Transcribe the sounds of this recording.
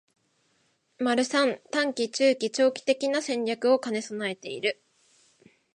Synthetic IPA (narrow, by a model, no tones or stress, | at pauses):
maɾɯ̟sãnt̪ãŋkʲit͡ɕɨːkʲit͡ɕo̞ːkʲi̥t̪e̞kʲinasẽ̞ɲɾʲjakɯ̟o̞kane̞sonae̞t̪e̞ḭɾɯ̟